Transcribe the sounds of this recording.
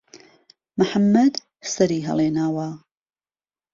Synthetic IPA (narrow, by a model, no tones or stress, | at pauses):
məħamːɐd̪ | sɐɾiːɦɐ̰lˠeːnaːwa